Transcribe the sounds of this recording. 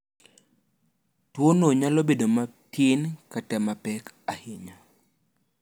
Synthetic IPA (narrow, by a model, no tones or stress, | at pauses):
twonoɲalobedomatʰɪnkatɛmapɛkahɪɲa